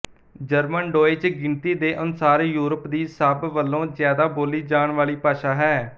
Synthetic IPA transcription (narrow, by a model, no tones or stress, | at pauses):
d͡ʒəɾmənɖoːeːt͡ʃɡɪnt̪iːd̪eːʔənsaːɾejuːɾəpd̪iːsəbʋəlːõːzjaːd̪aːboːliːd͡ʒaːɳʋaːliːpaːʃaːɦɛː